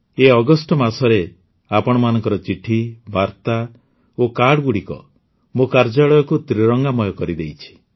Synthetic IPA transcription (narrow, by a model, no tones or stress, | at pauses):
eɔɡɔsʈɔmasɔɾe | apɔɽ̃ɔmanɔŋkɔɾɔt͡ʃiʈʰibaɾt̪a | okaɽɔɡuɽikɔ̰ | mokaɾd͡ʒaɭɔjɔkut̪ɾiɾɔŋɡamɔjɔkɔɾid̪ejt͡ʃʰi̥